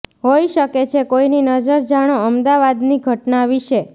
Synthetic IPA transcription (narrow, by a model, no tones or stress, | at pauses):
ɦojʃəket͡ʃʰekoininəd͡ʒəɾd͡ʒaɽ̃oəmd̪aʋad̪niɡʱəʈnaʋiʃe